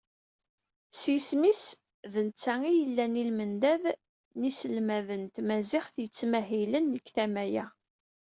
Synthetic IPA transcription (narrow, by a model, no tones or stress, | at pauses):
sismis | ðənt͡sːæŋijəlːænilmənd̪æð | nisəlmæðənt̪mæzɪχθjət͡sːmæɦilənːəkθæmæjæ